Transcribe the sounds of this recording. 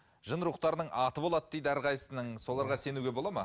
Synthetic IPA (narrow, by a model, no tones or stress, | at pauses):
ʒənɾuqt̪ɑɾənəɴʔɑt̪əbo̞lˠɑt̪̚d̪e̞jd̪æɾʁɑjsənəɴso̞lˠɑɾʁɑse̞nuɡʲebo̞lˠɑmɑ